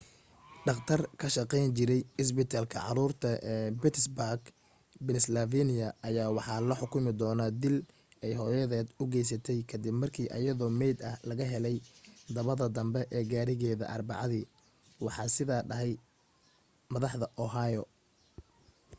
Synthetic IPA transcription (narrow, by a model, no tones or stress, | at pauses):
ɖɑqt̪ʰɐrkʰɐʃɑqɛjnt͡ʃɪɾɛjɪs̬bɪt̪ʰaːlkʰɐ̰ʕɑ̰ɾuːrt̪ʰɐbɪt̪ʰsbaɡ | bɪnɪslaviːnɪjɐːjaːwɑħɑːlɐħʊkʰʊmɪd̪ɔːnaːd̪ɪl | ɛjɦɔːjɐðɛːd̪ʊɡɛjs̬ɐt̪ʰɛjkʰɐd̪ɪbmɐrkʰiːʔɐ̰jɐðɔːmɛjd̪ɐhlɐɣɐɦɛlɛjd̪ɐβɐðɐd̪ɐmbɛʔɛːɡaːɾɪɣɛːðɐ̰ʔɐrbɑ̰ʕɑðiː | wɑħɑːsɪðaːɖɐɦɛj | mɐðɑħðɐʔɔɦajɔ